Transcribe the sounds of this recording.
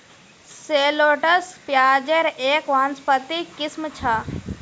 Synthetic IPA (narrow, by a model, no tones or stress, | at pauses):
seːloːʈəspjaːd͡ʒəɾeːkʋaːnspət̪ikɪsmt͡ʃʰaː